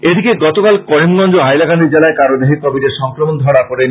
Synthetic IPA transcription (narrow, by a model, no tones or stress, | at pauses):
ed̪ʱikeɡɔt̪okalkɔɾimɡɔnd͡ʑoɦajlakand̪id͡ʑelaekaɾod̪eɦit̪ɔbid̪eɾʃɔŋkɾomond̪ʱɔɽakoɾen